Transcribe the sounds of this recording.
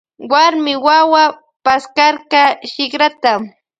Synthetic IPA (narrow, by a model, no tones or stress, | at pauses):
waɾmɪwawa | paskaɾkaʃɪχɾat̪am